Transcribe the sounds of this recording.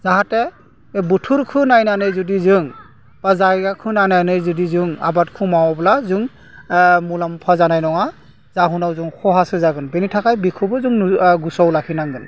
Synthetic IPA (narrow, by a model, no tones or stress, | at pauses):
zaɦatɛ | butʰuɾkʰɯnajnanɯjzɔdizɯŋ | b̥azaɡakʰɯnajnajnɯjzɔdizɯŋa̰batkʰumawɔblazuŋ | mulampʰazanajnɔŋa | zaɦunawzɯŋxɔɦasɯzaɡɯnbɛnitʰakajbikʰɔbɯzuŋɡusɔwlakʰinaŋɡɯn